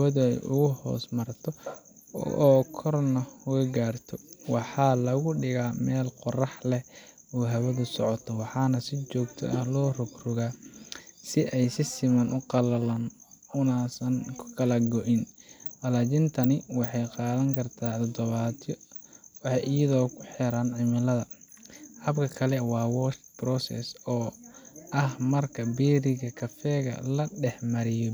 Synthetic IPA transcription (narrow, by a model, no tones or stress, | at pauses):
hɐwɐðʊɛ̰jʔʊ̰ɣʊhɔ̰ːsmɐrt̪ʰɔ | ʔɔːkʰɔrnɐʊwɐɡaːrt̪ʰɔwɑħɑːlɐɣʊɖɪɣaːmɛːlqɔrɑħlɛ | ɔːɦɐwɐðʊsɔʕɔt̪ʰɔwɑħɑːnɐsɪt͡ʃɔːkt̪ʰɔ̰ʔɐhlɔːrʊɡrʊɣaː | sɪʔɛjsɪsɪmɐnʔʊqɑlɐlɐn | ʊnaːsɐnkʰʊ̥kʰɐlɐɡɔʔɪnʔɐlaːt͡ʃɪnt̪ʰɐnɪwɑħɑjqɑːðɐŋkʰɐrt̪ʰaːt̪ʰɔd̪ɔβaːt̪ʰɔwɑħɑjɪjɐðɔːkʰʊħɛɾaːnʕɪmɪlɐðɐ | hɐbkʰɐkʰɐlɛwɑːwɔsbrɔsɛ̰sɔː | ɐhmɐrkʰɐbɛːɾɪɣɐkʰɐfɛːɣɐ̰lɐɖɛħmɐɾɪjɔ